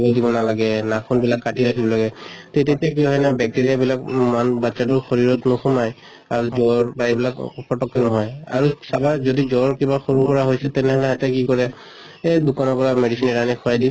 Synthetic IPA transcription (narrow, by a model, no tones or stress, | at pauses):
bɔdibɔnalaɡɛnakʰunbilakːatiɹakʰibɔlaɡɛtetetiak̬iɦɔjnabɛk̚tiɹiabilakmanbatːsatuɹxoɹiɹɔtnɔxumaj | aɹuzɔɹbaɹibilakpʰɔtɔkːɔnɔɦɔja̰ɹusabazodizɔɹkibaxoɹupɔɹaɦojsɛtɛnɛɦɔlɛɦatɛkikɔɹɛ | edukanɔkɔɹamedisinɛɹanikʰuajdin